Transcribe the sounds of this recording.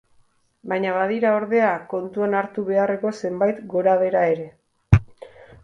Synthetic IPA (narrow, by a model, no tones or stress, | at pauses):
bajɲaβað̞iɾao̞ɾðe̞ako̞nt̪uanaɾt̪uβ̞e̞are̞ko̞se̞mbajt̪ɡo̞ɾaβ̞e̞ɾae̞ɾe̞